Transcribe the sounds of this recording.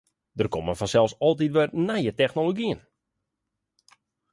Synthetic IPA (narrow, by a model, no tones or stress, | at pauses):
dərkoməfɔnsɛlˠsɔlˠt̬itʋɛrnajətɛxnoloɡiən